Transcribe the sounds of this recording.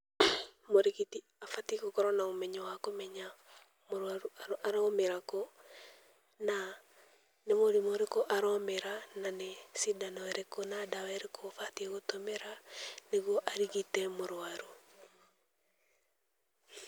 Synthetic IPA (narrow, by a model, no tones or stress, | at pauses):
moɾekiti | afatikokɔɾɔnaomɛɲɔwakomɛɲa | moɾwaɾuaaɾɔmeɾakɔ | na | nemoɾimoɾekɔʔaɾɔmeɾananesidanɔɛɾekɔnadawɛɾekʰofatiɛɣotɔmɛɾaneɣoʔaɾiɣitɛmoɾoaɾu